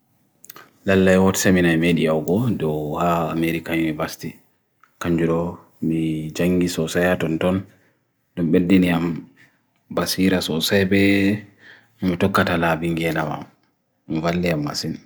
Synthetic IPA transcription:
lalːajwɔtɛ̥seminajmediawɡɔdɔwhaameɾikaimibasti | kaɲd͡ʒuɾɔ | mid͡ʒaŋɡisɔsajatɔntɔn | dɔmɓedːiniam | basiɾasɔsajbɛ | mitɔkːatalabiŋɡɛlama̰m | mvalːiamːa̰sin

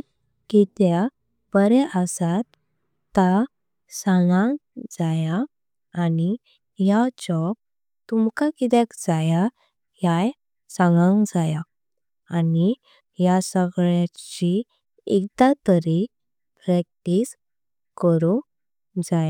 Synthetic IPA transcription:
kit̪ja | bəɾɛʔəsat̪ː | a | sãŋɡãŋɡd͡zajaː | ni | jat͡ɕɔp̚ | t̪umkakit̪̬akd͡zaja | jaj | sãŋɡãŋɡd͡zaja | ani | jasəɡɭjat͡ɕi | ɛk̚t̪at̪əɾi | pɾak̚ʈis | kəɾu | d͡zaja

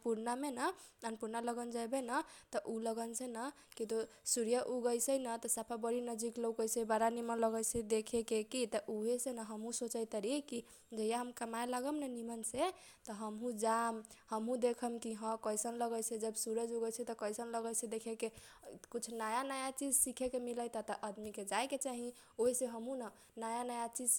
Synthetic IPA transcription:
puɾnamenəənpuɾnaləɡənd͡ʒajbenət̪ɔʔuləɡənsʰenə | kit̪o | suɾjəʔuɡəjsəjnət̪ɔsapʰabəɾinəd͡ʒiklowkəjsəjbaɾanimələɡəjsed̪ekʰekekit̪ɔʔuɦesenəɦəmɦũsot͡ʃəjt̪əɾiki | d͡ʒəjaɦəmkəmajlaɡəmnənimənse | t̪ɔɦəmɦũd͡ʒamhəmɦũd̪ekʰəmkiɦə̃kəjsənləɡəsẽd͡ʒəbsuɾəd͡ʒuɡəsʰət̪ɔkəjsənləɡəjsẽd̪ekʰeke | kut͡ʃʰnajanajat͡ʃid͡ʒsikʰekemiləjt̪ɔt̪əʔəd̪miked͡ʒajket͡ʃaɦi | oɦeseɦəmɦũnə | najanajat͡ʃid͡ʒ

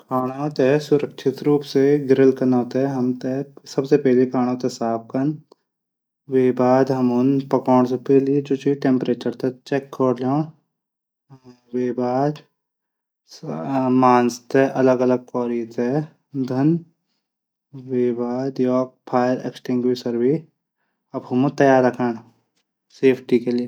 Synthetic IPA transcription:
kʰaːɽ̃oːt̪esʊɾəkʃʰɪt̪ɾuːpseɡɪɾəlkɐnaːt̪eɦɐmt̪esɐbsepɛɦlikʰaːɽ̃õt̪esaːp̚ʰkən | ʋeːbaːd̪ɦɐmʊnpɐkɔːɳ̃s̬epɛːlid͡ʒoːt͡ʃiʈẽːmpɾeːt͡ʃəɾt̪et͡ʃekːoɽlõː | weːbaːd̪ | maːnst̪eʔɐləɡɐləɡ̚kɔːɾit̪ʰe | d̪ʱɐn | weːbaːd̪jɔːk̚pʰaːjəɾḛksʈɪ̃ŋɡwisɐɾbiː | ɐbɦɐmũt̪ɐjaːɾːɐkʰañ | seːpʰʈikelie

